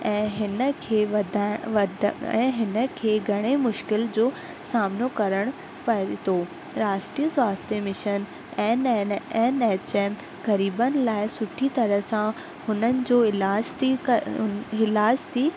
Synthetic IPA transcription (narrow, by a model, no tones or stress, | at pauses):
ɛ̃ːɦɪnə̆kʰeːʋɐd̪ʱaʋɐd̪ʱɛ̰̃ːɦɪnə̆kʰeːɡʱɐɽ̃emʊʃkɪld͡ʑoː | saːmnokɐɾəɽ̃ | pɐt̪oː | ɾaːʃʈɾiːəswaːst̪ʰjəmɪʃən | ɛ̃ːneːneːt͡ɕeːm | kɐɾiːbənɪ̆laːɪsʊʈʰit̪ɐɾə̆sã | hʊnənɪ̆d͡ʑoːɪlaːd͡ʑt̪i | ɪlaːd͡ʑt̪ʰiː